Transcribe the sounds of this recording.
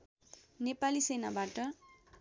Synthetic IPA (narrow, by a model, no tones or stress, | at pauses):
nepalisena̰baʈʌ